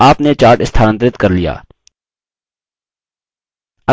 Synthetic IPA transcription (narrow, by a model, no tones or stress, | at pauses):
aːpnet͡ʃaːɾʈɪst̪ʰaːɾə̃nt̪ɾɪt̪kɐɾlija̰ː | ɐ